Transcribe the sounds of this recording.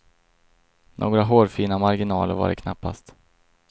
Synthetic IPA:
nʔoːɡɾaɦoːɾfiːnamaɾɡɪnɑːlə̰ɾva̰ːɖɛ̰kʰnapːa̰st̪

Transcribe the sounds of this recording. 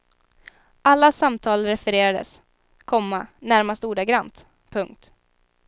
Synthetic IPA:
ʔalːasamt̪ʰɑːlɾɛfɛɾeːɾad̪ə̰s | kʰɔmːanæɾmast̪əuːɖaɡɾant̪ | pʰɵŋk̚t̪

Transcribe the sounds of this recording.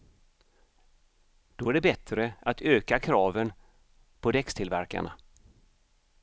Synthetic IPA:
d̪̥ɔæɖɛbɛt̪ɾəat̪ʰøːkakʰɾɑːvən | pʰɔd̪ɛkst̪ʰɪlvæɾka̰ɳa̰

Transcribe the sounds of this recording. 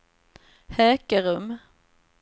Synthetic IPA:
hɛːkəɾɵm

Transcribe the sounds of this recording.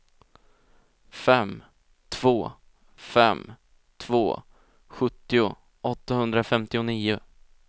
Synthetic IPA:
fɛm | t̪ʰv̥oː | fɛ̰m | t̪ʰvoː | ɧɵt̪ːɪʊ | ʔɔt̪ːahɵnd̪ɾafɛmt̪ɪʊniːʊ

